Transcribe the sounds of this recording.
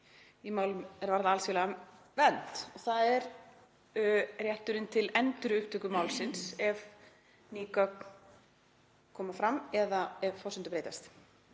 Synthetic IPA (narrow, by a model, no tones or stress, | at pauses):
imaːwlʏmɛɾvaɾðaaːlsfɪlaa | vɛnt̪ɔθaðɛɾ | rjɛht̪ʏɾɪnt̪ʰɪlɛnt̪ʏɾʏʏhpt̪œhkʏmaːwlsɪnsɛv | niːka | kʰɔːmafɾamɛðaɛvfɔsɛnt̪ʏpɾeːjt̪ast̪